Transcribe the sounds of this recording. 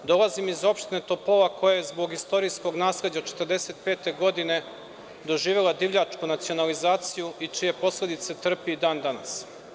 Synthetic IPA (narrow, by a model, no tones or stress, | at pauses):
d̪o̞lˠazimizo̞pʃt̪inet̪o̞plˠoʋako̞jajezbo̞ɡist̪o̞ɾijsko̞ɡnaːsled͡ʑaot͡ʃet̪ərd̪e̞se̞t̪̚peːt̪e̞ɡo̞d̪ine̞ | d̪o̞ʒiːʋelad̪iʋʎʲat͡ʃkunat̪sio̞nalizaːt̪sijuit͡ʃije̞po̞sle̞d̪it̪se̞t̪r̩piid̪aːnd̪ana̰s